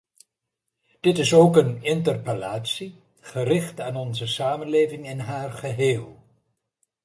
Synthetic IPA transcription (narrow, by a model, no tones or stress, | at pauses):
d̥ɪtɪsowkənɪntərpəlaːtsi | χərɪχtaːnɔnzəsaːmənlejvɪŋɪnɦaːrχəɦeːlˠ